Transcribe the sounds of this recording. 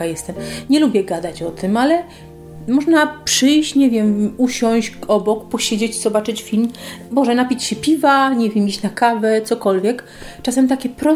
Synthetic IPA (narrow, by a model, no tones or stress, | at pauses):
ajɛst̪ɛmɲɛlubʲjɛɡad̪at͡ɕɔt̪ɘmalɛ | mɔʐnapʂɘjɕt͡ɕɲɛvʲjɛmuɕɔ̃w̃ɕɡɔbɔkpɔɕed͡ʑet͡ɕiz̥ɔbat͡ʂɘt͡ɕfʲilmbɔʐɛnapʲit͡ɕɕɛpʲivaɲɛvʲjɛmit͡ɕnakavɛt̪sɔkɔlvʲjɛk | t͡ʂasɛmt̪akʲɛpɾɔ